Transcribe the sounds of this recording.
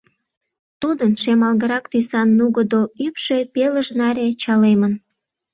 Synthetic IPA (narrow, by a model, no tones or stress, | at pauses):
t̪ud̪ənʃemɑlɣəɾɑkt̪ysɑnːuɣəd̪oypʃe̽peləʒnɑɾʲet͡ɕɑlemən